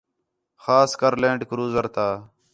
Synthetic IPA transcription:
xaːskəɾlẽːɳɖkɾuːzəɾt̪aː

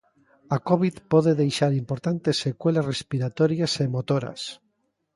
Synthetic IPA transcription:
akoβiðpoð̞eðejʃaɾimpoɾt̪ant̪esekwelasrespiɾat̪oɾjasemot̪oɾa̰s

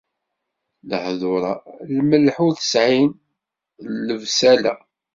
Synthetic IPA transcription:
ləħðˤʊɾˤɑlməlħuθə̥sʕin | lːəvsælæ̰

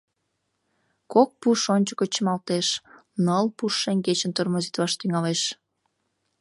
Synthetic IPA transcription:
kok̚puʃonʲt͡ɕəkət͡ɕəmɑlt̪eʃnəlpuʃːeŋʲɡet͡ɕə̆nt̪ormozit̪βɑʃt̪yŋɑleʃ

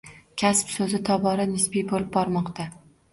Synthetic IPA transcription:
kʲʰaspsɵzɪt̪ʰɒbɒɾanɪsbijbolɪb̚bɒɾmɒqt̪a

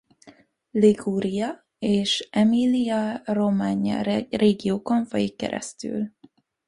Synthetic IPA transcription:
liɡuːɾijɒ | eːʃɛmilijɒro̞maːɲɒ̰reːɡijoːko̞ɱfɒjikːɛ̰ɾʔɛ̰st̪y̰ːl

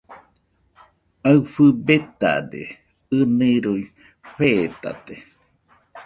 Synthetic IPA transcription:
aɨfɨbet̪a̰d̪ḛ | ɨmeɾui | ɸeːt̪a̰t̪e

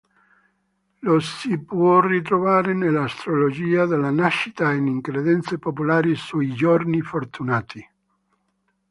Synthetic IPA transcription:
losipwɔrit̪̬ɾovaːɾenelːast̪ɾolod͡ʒiːad̪elːanaʃːit̪ainiŋkɾeðɛnt̪sepopulaːɾisuid͡ʒornifort̪unaːt̪i

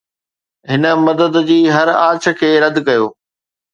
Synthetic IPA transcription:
ɦɪnə̆mɐd̪əd̪d͡ʑiːɦɐɾaːt͡ɕʰə̆kʰeːɾɐd̪kɐjoː

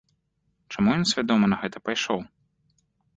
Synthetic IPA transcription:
t͡ʂamujɔnsʲvʲad̪ɔmɐnɐɣɛt̪ɐpajʂɔw

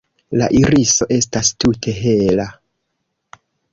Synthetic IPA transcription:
la̰ʔiɾiso̞ʔe̞stastutʰe̞ɦe̞la

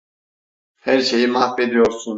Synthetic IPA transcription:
hæɾʃe̞jimafːe̞d̪ijo̞ɾsun

